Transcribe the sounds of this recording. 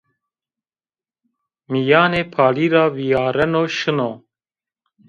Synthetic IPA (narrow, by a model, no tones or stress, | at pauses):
mijaːneːpʰaːliːɾɑːvijaːɾɛnoːʃɨnoː